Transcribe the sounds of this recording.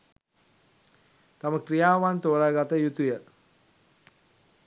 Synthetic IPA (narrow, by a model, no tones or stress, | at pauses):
t̪aməkrijaːʋant̪oɾaɡat̪əjut̪ujə